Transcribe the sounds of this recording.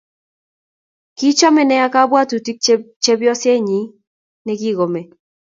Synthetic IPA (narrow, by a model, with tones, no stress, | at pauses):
ki˦t͡ʃɔ˦mɛ˨nɛ˦a˦ka˦bwa˦tu˨ti˦k̚t͡ʃe˦bjɔ˦sjɛ˦ɲi˨˦ | nɛ˦ɡi˦ɡo˨mɛ˨